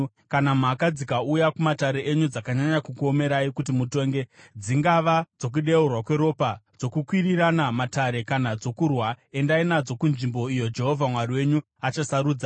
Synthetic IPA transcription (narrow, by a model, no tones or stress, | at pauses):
kanam̤akad͡zikaujakumataɾe̞ʔeɲud͡zakaɲaɲakukuo̞me̞ɾaikut̬imuto̞ːŋɡe̞d͡ziŋɡaʋad͡zo̞k̬uɗe̞urwakwe̞ɾo̞ːpad͡zo̞kukwiriranamataɾe̞kanad͡zo̞kurwae̞ndainad͡zo̞kunʐimbo̞ijo̞d͡ʒe̞ɦo̞vʱamwariwe̞ɲu | at͡ʃasaɾuːd͡za